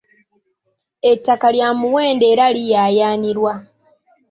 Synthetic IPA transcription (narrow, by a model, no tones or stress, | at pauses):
e̞tːakaljaːmuwe̞ːnde̞ːɾalijaːjaːniɾwa